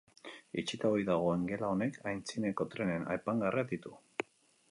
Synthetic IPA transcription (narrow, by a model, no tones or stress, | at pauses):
it͡ʃit̪aojðaɣ̞o̞e̞ŋɡe̞lao̞ne̞kʰajnt͡sine̞ko̞t̪ɾe̞ne̞na̰jpaŋɡaread̪it̪u